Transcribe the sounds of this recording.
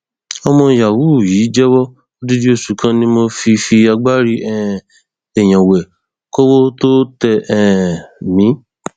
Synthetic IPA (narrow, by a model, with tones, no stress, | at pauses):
ɔ˧mɔ̃˧ja˨wu˨˦˨ji˨˦d͡ʒɛ˦wɔ˦ | o˦di˦di˦o˧˨su˨˦kʰã˧nĩ˧˦mo˧fi˧fi˧a˧ɡ͡ba˦ɾi˦ʔɛ˨ | ɛ˨j̃ã˨wɛ˨ | ko˦wo˦to˦tɛ˧ʔɛ˨mĩ˨˦